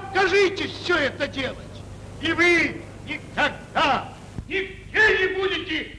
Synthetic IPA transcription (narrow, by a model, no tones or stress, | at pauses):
t̪kɐʐɨtʲɪfsʲoɛt̪ədʲelˠətʲ | ivɨ | nʲɪkɐɡ̚d̪a | nʲɪɡdʲenʲɪbudʲɪtʲɪ